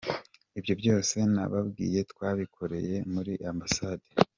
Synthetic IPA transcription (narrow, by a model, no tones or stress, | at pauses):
ibjo̞bjo̞ːse̞na̰βabɡḭːje̞tkwaːβikʰo̞ɾe̞̰je̞muɾiʔambasaːde